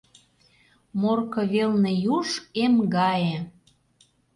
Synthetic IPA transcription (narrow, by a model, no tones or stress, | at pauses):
morkɤ̆βelnĕjuʃemɡɑjĕ